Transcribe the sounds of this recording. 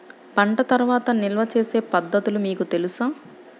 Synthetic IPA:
pɐɳʈɐt̪ɐɾʋaːt̪ɐnilʋɐt͡ʃe̞ːse̞ːpɐd̪ːɐt̪ulumiːkut̪e̞lusaː

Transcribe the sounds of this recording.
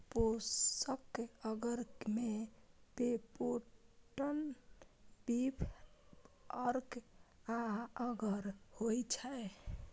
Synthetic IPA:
posəkəɡəɾkmebepoʈən | bipʰ | əɾkaəɡəɾhojt͡ʃʰɛ

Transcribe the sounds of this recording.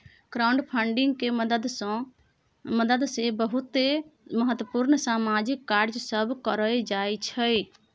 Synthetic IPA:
ɡ̥ɾawɳɖpʰəɳɖiŋɡkeməd̪əd̪s | məd̪əd̪sebəɦut̪eməɦət̪wəpuɾnsamad͡ʒikːaɾd͡ʒsəbkəɾəd͡ʒajt͡ʃʰə

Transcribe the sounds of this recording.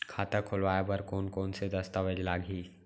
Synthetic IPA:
kʰaːt̪akʰʊlʋaːjabɐɾkɔːnkɔːnsed̪ɐst̪aʋəd͡ʒlaːɡʱiː

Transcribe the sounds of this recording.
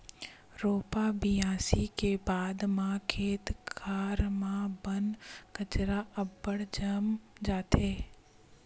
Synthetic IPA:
ɾoːpabijãːsikebaːd̪mãkʰeːt̪kʰaːɾmãbənkət͡ʃɾaɐbːəɽd͡ʒəmd͡ʒaːt̪eː

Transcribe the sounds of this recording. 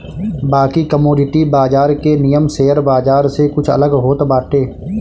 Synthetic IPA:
baːkikəmoːɖɪʈibaːd͡ʒaːɾkenijəmseːəɾbaːd͡ʒaːɾsekʊt͡ʃʰə̰ləɡɦoːt̪baːʈeː

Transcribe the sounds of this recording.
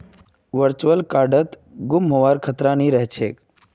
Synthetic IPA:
ʋəɾt͡ʃʋəlkaːɾɖət̪ | ɡʊmɦoʋaːɾkʰət̪ɾanĩɾəɦt͡ʃʰeːk

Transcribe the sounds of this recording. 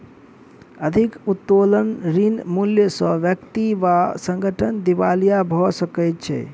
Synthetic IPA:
əd̪ʱikut̪ːolənɾinmuljəsə̃ʋjəkt̪iʋasə̃ŋɡʱəʈʰənd̪iʋalijabʱɔsəkəjt̪̚t͡ʃʰɛ̰

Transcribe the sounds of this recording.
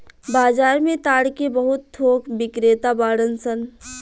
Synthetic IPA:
baːd͡ʒaːɾmẽt̪aːɽkebəɦʊt̪ʰːoːkbɪkɾeːt̪abaːɽənsən

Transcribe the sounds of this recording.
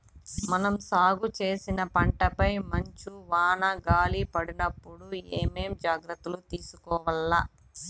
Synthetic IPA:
mɐnɐmsaːɡut͡ʃe̞ːsinɐpɐɳʈɐpɐjmɐɲt͡ʃuʋaːnɐɡaːlipɐɽinɐpːuɽueːme̞ːmd͡ʒaːɡɾɐt̪ːulut̪iːsukɔːʋɐlːa

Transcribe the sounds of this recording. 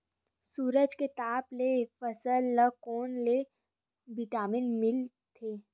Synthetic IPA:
suːɾəd͡ʒket̪aːplefəsəlːəkoːnle | bɪʈaːmɪnmɪl | t̪ʰeː

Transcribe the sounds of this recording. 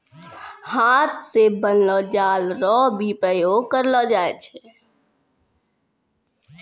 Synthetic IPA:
haːt̪̚ʰsebənlɔd͡ʒaːlɾɔbʱipɾəjoːɡ̚kəɾlɔːd͡ʒaːet͡ʃʰɛ

